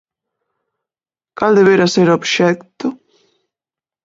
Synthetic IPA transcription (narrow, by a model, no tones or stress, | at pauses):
kald̪eβeɾaseɾobʃɛkt̪ʊ